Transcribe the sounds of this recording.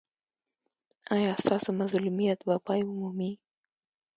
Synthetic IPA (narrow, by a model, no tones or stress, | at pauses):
ɑjɑst̪ɑsomazlumijat̪bapɑjʊmumi